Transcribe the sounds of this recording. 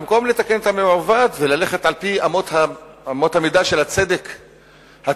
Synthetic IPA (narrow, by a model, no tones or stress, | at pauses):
mko̞mle̞t̪ake̞net̪amemavat̪velale̞χe̞t̪alpiamot̪ha | amo̞t̪hamid̪aʃe̞lat͡se̞d̪e̞k | ha